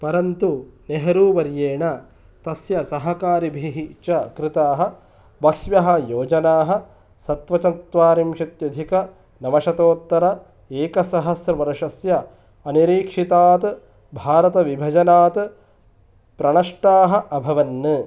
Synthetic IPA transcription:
pɐɾɐnt̪uneɦɐɾuːʋɐɾjeːɳɐ | t̪ɐsjɐsɐɦɐkaːɾibʱiːɦit͡ʃɐkɾɪt̪aːɦɐ̆ | bɐsʋjɐɦɐ̆joːd͡ʒɐnaːɦɐ̆ | sɐt̪ʋɐt͡ʃɐnt̪ʋaːɾimʃɐt̪jɐd̪ʱikɐ | nɐmɐʃɐt̪oːt̪ːɐɾɐ | eːkɐsɐɦɐsɾɐmɐɾɐʂɐsjɐ | ɐniɾiːkʂit̪aːt̪ɨ | bʱaːɾɐt̪ɐʋibʱɐd͡ʒɐnaːt̪ɨ | pɾɐɳɐʂʈaːɦɐ̆ʔɐbʱɐʋɐnːɨ

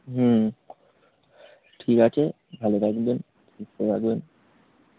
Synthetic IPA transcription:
ɦ̩ | ʈʰikat͡ɕʰe | bʱalot̪ʰakben | iset̪ʰakben

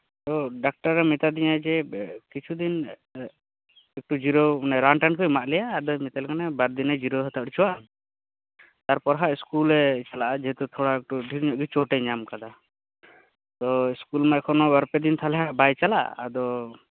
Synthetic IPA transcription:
t̪ɔɖak̚ʈaɾːɛmit̪ad̪iɲad͡ʒɛkit͡ʃʰud̪in | ɛk̚ʈud͡ʒiɾonɛɾaɳʈankʰɔjmaʔlɛjaːd̪ɔmit̪alɛkanɛbaɾd̪inɛd͡ʒiɾoɦət̪ʰaʔɽit͡ʃʰuwan | t̪aɾpɔɾɦaʔiskulɾɛt͡ʃalaʔad͡ʒɛɦɛt̪ut̪ʰɔɽaɛk̚ʈuɖʱiɾɲɔʔɡit͡ʃɔʈɛɲamkad̪a | t̪ɔiskulmaʔkʰɔnɔbaɾpɛd̪int̪ʰalɛɦaʔbajt͡ʃala̰ʔːd̪ɔ

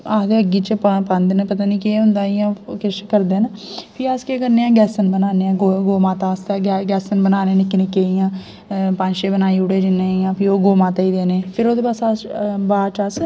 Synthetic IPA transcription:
aːd̪eːəɡiːt͡ʃppand̪nepət̪aːniːkeːɦʊ̃nd̪aːijãːkɪʃkəɾd̪eːnpʰiːaskekəɾnẽːãːɡɛːsənbənaːneːãːɡoɡoːmãːt̪aːst̪ːɡɛːsənbənaːneːnɪkːnɪkːeːijãː | pand͡ʒʃeːbənaːiːʊɽeːd͡ʒɪnːẽːijãːpʰiːoːɡoːmãːt̪aːiːd̪eːneːpʰɪɾoːd̪eːpasabaːt͡ʃas

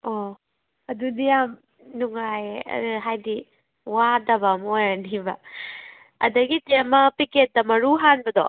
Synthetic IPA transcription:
o | ɐdunijam | nuŋajɐ̰ɦajdi | wadɐbɐmojanibɐ | ɐ̰dɐɡitemɐpiket̚dɐmɐɾuɦanbɐdo̰

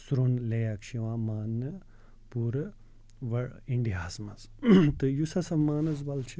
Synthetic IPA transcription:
sɾonlɐjakʃiʋãːmaːnɐ | puːɾɐ | ʋɐiɳɖiɦaːzmɐz | t̪ɨjusɐsɐmaːnɐzbɐlt͡ʃʰi

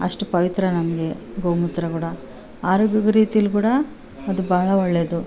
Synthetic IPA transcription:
ɐʂʈupɐʋit̪ɾɐnɐmɐɡe̞ɡowmut̪ːɾɐkuːɽɐ | aːɾoːɡjɐɡɐɾiːt̪ijɐlukuːɽɐ | ɐd̪ubaːɭɐɔɭːe̞ːd̪u

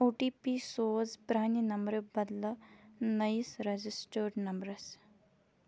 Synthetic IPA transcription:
oːʈipisoːzpɾaːninɐmbɾəbɐd̪lɐnɐjsɾɐd͡ʑisʈəɾɖnɐmbɾɐs

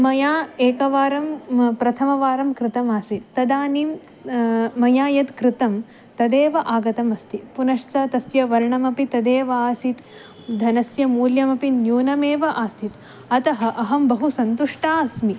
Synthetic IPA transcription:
mɐjaːeːkɐʋaːɾɐmpɾɐt̪ʰɐmɐʋaːɾɐmkɾɪt̪ɐmaːsit̪ːɐd̪aːniːm | mɐjaːjɐt̪kɾɪt̪ɐm | t̪ɐd̪eːʋɐʔaːɡɐt̪ɐmɐst̪ipunɐʂt͡sɐt̪ɐsjɐʋɐɾɳɐmɐpit̪ɐd̪eːʋɐaːsit̪ | d̪ʱɐnɐsjɐmuːljɐmɐpinjuːnɐmeːʋɐʔaːst̪ʰit̪ | ɐt̪ɐɦɐ̆ʔɐɦɐmbɐɦusɐnt̪uʂʈaːsmi

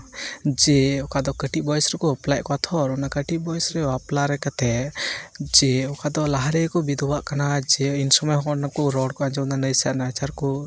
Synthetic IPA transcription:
d͡ʒɛɔkad̪ɔkəʈiʔbɔjsɾɛkɔəplajʔkɔat̪ʰɔɾɔnakəʈiʔbɔjsɾɛɔaplaɾɛkat̪ɛ | d͡ʒɛɔkad̪ɔlaɦaɾɛkɔbid̪ʱɔwaʔkanad͡ʒɛinsɔmɛɦɔɔnakɔɾɔɽkɔaɲd͡ʒɔnanəjsaʔnat͡ʃaɾkɔ

